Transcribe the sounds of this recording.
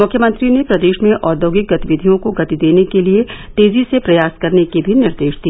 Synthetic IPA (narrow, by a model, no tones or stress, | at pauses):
mʊkʰjəmə̃nt̪ɾinepɾɐd̪eːʃmẽʔɔːɾd̪oːɡɪk̚ɡɐt̪iʋɪd̪ʱijõkoɡɐt̪id̪eːnekeliet̪eːzisepɾɐjaːskɐɾnekibʱinɪɾd̪eːʃd̪iː